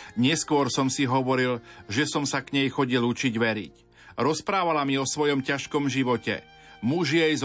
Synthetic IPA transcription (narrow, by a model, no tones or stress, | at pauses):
ɲɛskʊɔɾsɔmsiɦɔʋɔɾilʒɛsɔmsakɲɛjxɔɟilut͡ʃiɟʋɛɾḭc | ɾɔspɾaːʋalamiɔsʋɔjɔmcaʃkɔmʒiʋɔcɛ̰ | muʒɪɛjz